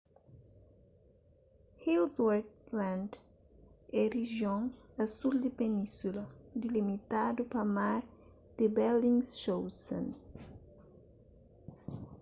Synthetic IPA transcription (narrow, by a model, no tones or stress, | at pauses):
hilzwɛɾt̪lãnd̪ | ɛriʒjõŋasuld̪ɪpenĩsulɐd̪ilimit̪ad̪upamaɾ | d̪̥ɪbɛlĩŋsʃowsɐ̰̃n